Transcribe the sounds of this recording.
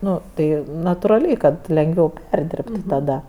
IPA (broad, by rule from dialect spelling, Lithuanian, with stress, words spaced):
ˈnʊ ˈtɐɪ nɐtʊrɐˈlʲɛɪ ˈkɐt lʲɛŋˈɡʋʲɛʊ ˈpʲɛrʲdʲɪrptʊ tɐˈdɐ